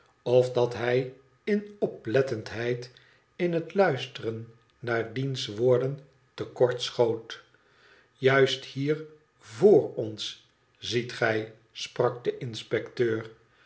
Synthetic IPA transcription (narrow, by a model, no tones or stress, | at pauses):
ɔfdɑtɦɛj | ɪnɔplɛtəntɦɛjt | ɪnɦətlœɥstərənː | aːɹdinsʋoːɹdən | təkɔɹtsχowt | jœɥsthiːɹ | voːɹɔns | zitχɛj | sprɑk̚dəʔɪnspɛktøːɹ